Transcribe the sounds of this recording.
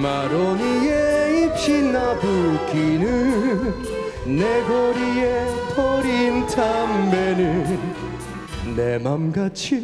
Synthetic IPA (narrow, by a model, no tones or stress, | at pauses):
maɾɔnijeipɕinabukinɯ | neɡɔɾijetʰɔɾintʰambenɯn | emamɡat͡ɕʰi